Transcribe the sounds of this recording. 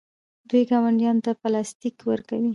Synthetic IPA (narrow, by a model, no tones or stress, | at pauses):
d̪ujɡawaɳɖjɑnot̪apəlɑst̪ikwəɾkawi